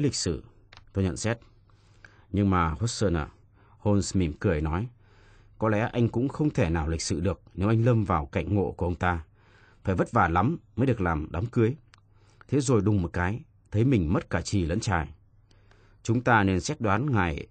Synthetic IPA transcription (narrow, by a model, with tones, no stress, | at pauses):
lï˨˩k̟̚sɨ̰˧˩ | t̪o˧jɲə̰˧˨nsɛ˦˥t̚ | ɲɨ˧ŋmaː˨˩ho˦˥t̚səː˧nə˨˩ | ho˧nsmi˧˩mkɨ˨˩əjnɔ˨˦j | kɔ˨˦lɛ̰˧˥ʔa˧jŋ̟kʊ̰˧˥ŋ͡mxə˧wŋ͡mt̪ʰe˧˩naː˨˩wlï˨˩k̟̚sɨ̰˧˩ɗɨ˨˩ək̚ne˨˦wʔa˧jŋ̟ləː˧mvaː˨˩wka̰˧˩jŋ̟ŋo̰˧˨ku˧˩ʔə˧ŋ͡mt̪aː˧ | faː˧˩jvə˦˥t̚vaː˨˩la˨˦mməː˨˦jɗɨ˨˩ək̚laː˨˩mɗa˨˦mkɨ˨˦əj | t̪ʰe˨˦zo˨˩jɗʊ˨˩ŋ͡mmo˨˩t̚kaː˨˦j | t̪ʰə˨˦jmï˨˩ŋ̟mə˦˥t̚kaː˧˩t͡ɕi˨˩lə̰˧˥nt͡ɕaː˨˩j | t͡ɕʊ˨˦ŋ͡mt̪aː˧ne˧nsɛ˦˥t̚ɗwaː˨˦nŋaː˨˩j